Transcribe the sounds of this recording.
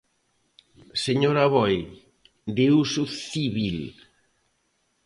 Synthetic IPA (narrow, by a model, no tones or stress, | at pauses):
seɲoɾaβɔj | d̪ewsʊθiβil